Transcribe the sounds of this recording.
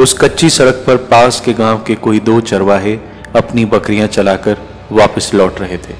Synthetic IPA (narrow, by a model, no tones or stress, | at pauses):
ʊskɐtːʃisɐɾək̚ʰpɐɾpaːskeɡãːʋkekoːid̪oːt͡ʃɐɾʋaɦe | ɐpnibɐkɾijãt͡ʃɐlaːkəɾ | ʋaːpəslɔːʈɾɐɦet̪ʰeː